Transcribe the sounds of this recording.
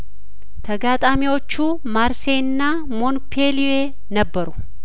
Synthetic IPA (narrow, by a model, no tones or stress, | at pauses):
t̪ʰɐɡaːt̪ʼaːmɪɔt͡ʃːuː | maːɾseːnːaː | mɔnpʰeːlɪeː | nɐbːɐɾʊ̥